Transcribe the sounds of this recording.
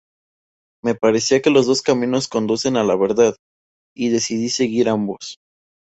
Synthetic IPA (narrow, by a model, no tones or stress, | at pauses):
me̞paɾe̞siake̞lo̞zðo̞skamĩno̞sko̞nd̪use̞nalaβe̞ɾðað | iðe̞siðise̞ɣiɾambo̞s